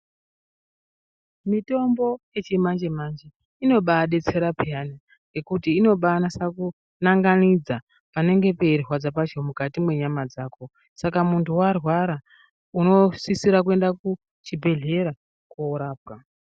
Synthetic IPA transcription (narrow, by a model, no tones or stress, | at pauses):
mito̞mbo̞je̞t͡ʃimand͡ʒemand͡ʒe | ino̞ɓaɗe̞t͡se̞ɾapʰeɦana | ɡe̞kutiːno̞ɓanasaku | naŋɡanid͡za | pane̞ŋɡe̞pe̞irwad͡zapat͡ʃomukatimwe̞ɲamad͡zaːko̞ | sakamuntʰuwarwaɾa | uno̞sisiɾak̬ue̞ndaku | t͡ʃibʱe̞ɮe̞ɾa | koɾaːpwa